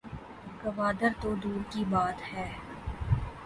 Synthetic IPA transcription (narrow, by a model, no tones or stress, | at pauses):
kɐʋaːd̪əɾt̪od̪uːɾkibaːt̪hɛː